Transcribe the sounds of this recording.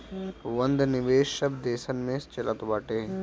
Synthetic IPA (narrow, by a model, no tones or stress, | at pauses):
ʋɐ̃nd̪ʱnɪʋeːʃːɐbd̪eːsənmẽːst͡ʃɐlʔət̪obaːʈeː